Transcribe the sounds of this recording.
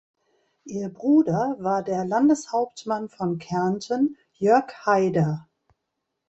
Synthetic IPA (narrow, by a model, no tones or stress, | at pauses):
ʔiːɐbʁuːdɐvaːɐdeːɐlandəshaʊp̚tmanfɔnkʰɛɐntən | jœɐkhaɪdɐ